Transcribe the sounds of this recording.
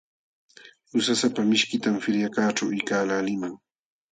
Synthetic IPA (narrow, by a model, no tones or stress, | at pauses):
ʊsasapamɪʃkɪt̪amfɪɾjakaːʈ͡ʂawɪjkaːlalɪmaŋ